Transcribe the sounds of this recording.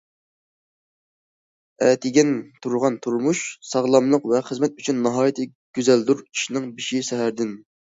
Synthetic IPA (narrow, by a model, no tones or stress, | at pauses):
ɛt̪ʰɪɡʲɛnt̪ʰuɾʁɑnt̪ʰuɾmuʃsɑʁlˠɑmlˠəqvɛχəzmɛt̪̚yt͡ʃʰynːɨɦɑːjt̪ʰɪ | ɡ̥ʲyzɛld̪uɾi̥ʃnɪŋbiʃiʃɛɦæɾd̪ɪn